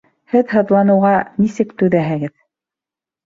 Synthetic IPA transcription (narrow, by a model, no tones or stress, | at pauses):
hɘðhɤ̆ðlˠɑnɤ̆wʁɑnisɘkt̪ʉðæɦɘ̆ɡɘð